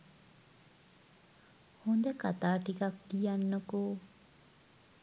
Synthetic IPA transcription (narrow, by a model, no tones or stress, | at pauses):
hund̪ɐkat̪aːʈikɐkt̪ijanːoku